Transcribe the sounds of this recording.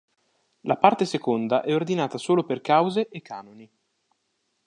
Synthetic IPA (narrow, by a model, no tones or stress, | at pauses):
lapart̪esekond̪aʔɛord̪inaːt̪asoːloperkawzeʔekːa̰ːnoni